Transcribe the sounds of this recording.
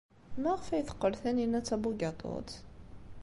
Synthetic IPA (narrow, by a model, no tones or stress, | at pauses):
mæʁfæjθə̥qːəlθæninæt͡sːæbuɡɑt̪ˤo̰t̪